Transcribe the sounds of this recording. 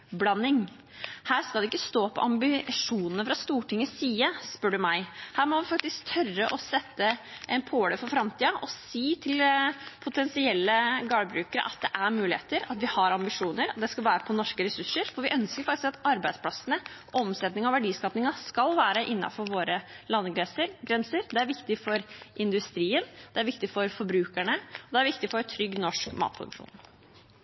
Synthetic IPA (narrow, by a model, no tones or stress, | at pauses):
blɑnːɪŋ | hæːɾskɑlɛɪkːəst̪oːpʰɔ̰ʔɑmbɪʂuːnənəfɾɑst̪uːʈʰɪŋːəsiːəspœɖʉmæɪhæːɾmɔʋɪfɑk̚t̪ɪsk̚t̪ʰœrəʔɔsɛt̪ːə | ʔɛnpʰoːɽəfɔɾfɾɑmt̪ʰiːɑʔɔsiːt̪ʰɪlpʰʊt̪ʰɛnsɪɛlːəɡɑɽəbɾʉːkəɾə̰ʔɑt̪̚d̪ɛʔæɾmʉːlɪhḛːt̪əɾɑt̪ʋɪhɑɾɑmbɪʂuːnəɾɔd̪ɛskɑlʋæːɾəpʰɔnɔʂkəɾɛsʉʂːəɾfɔɾʋɪʔœnskəɾfɑkt̪ɪskɑt̪ɑɾbæɪspʰlɑsənə | ɔmsɛt̪nɪŋɔʋæɖiːskɑːpnɪŋɑskɑlʋæːɾəʔɪnːɑ̰fɔɾʋoːɾəlɑnːɡɾɛnsəɾɡɾɛnsəɾd̪ɛæɾʋɪkt̪ɪfɔɾʔɪnd̪ʉst̪ɾiːənd̪̥ɛæɾʋɪkt̪ɪfɔɾfɔɾbɾʉːkæɳəɔd̪ɛæɾʋɪk̚t̪ɪfɔɾt̪ʰɾʏɡːnɔʂkmɑ̰ːt̪̚pʰɾʊd̪ʉ̰kʂṵːn